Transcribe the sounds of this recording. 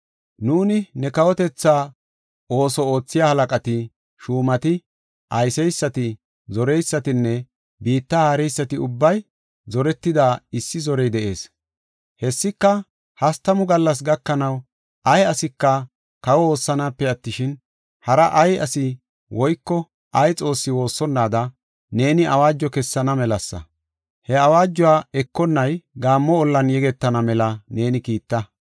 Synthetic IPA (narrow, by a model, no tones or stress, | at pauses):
nuːnɪnɛkɐwɔt̪ɛt͡sːaː | o̞ːsɔo̞ːt͡sːɪjaːhɐlɐkʼɐt̪ɪ | ʃuːmɐt̪ɪ | ʔɐjsɛjsːɐt̪ɪ | zɔɾɛjsːɐt̪ɪnːɛ | biːt̪ːaːhɐɾɛjsːɐt̪ɪʊbːɐj | zɔɾɛt̪ːɪd̪aːɪsːɪzɔɾɛjd̪ɛʔe̞ːs | hɛsːɪkːɐ | hɐst̪ɐmʊɡɐlːɐs̬ɡɐkːɐnɐw | ʔɐjɐsɪkːɐ | kɐwɔo̞ːsːɐnaːpːɛɐt̪ːɪʃɪn | hɐɾɐʔɐjɐsɪ | wɔjkːɔ | ʔɐjt͡sʼo̞ːsːɪwo̞ːsːɔnːaːd̪ɐ | ne̞ːnɪʔɐ̰waːd͡ʒːɔkɛsːɐnɐmɛlɐsːɐ̰ | hɛɐwaːd͡ʒːɔwaːɛkːɔnːɐjɡaːmːɔːlːɐnjɛɡɛt̪ːɐnɐmɛlɐne̞ːnɪkiːt̪ːɐ